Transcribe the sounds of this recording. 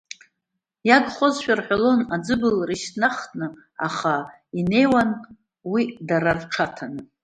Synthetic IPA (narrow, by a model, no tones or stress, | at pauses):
jaɡχozʃᶣarħʷalo̞nad͡zɨbɨlriʃtnaχnɨ | aχa | ine̞jwan | widaɾarʈ͡ʂʰatʰanɨ